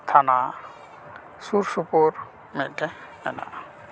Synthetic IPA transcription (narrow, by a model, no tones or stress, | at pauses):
t̪ʰana | suɾsupoɾ | mɛt̪̚ˀʈɛnɛ̰na̰ʔ